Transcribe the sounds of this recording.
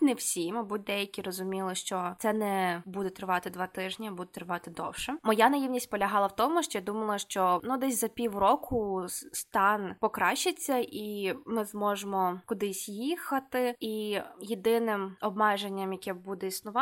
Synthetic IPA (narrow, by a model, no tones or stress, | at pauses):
nɛwsʲimɐbut̚ʲd̪ɛjɐkʲiɾɔzʊmʲilˠɪʃt͡ʃɔt̪sɛnɛbud̪ɛt̪ɾɪʋɑt̪ɪd̪ʋɑt̪ɪʒnʲɐbud̪ɛt̪ɾɪʋɑt̪ɪd̪ɔwʃɛmɔjanɐjiwnʲisʲt̚ʲpɔlʲɐɦɑlˠɐwt̪ɔmʊʃt͡ʃɔjad̪umɐlˠɐʃt͡ʃɔnud̪ɛsʲzɐpʲiwrɔkʰʊst̪ɑnpɔkɾɑʃt͡ʃːet͡sʲːɐʔimɪzmɔʒemɔkʊd̪ɪsʲjixɐt̪ɪijid̪ɪnɪmɔb̚mɛʒenʲːɐmjɐkʲɛbud̪ɛisnʊʋɑ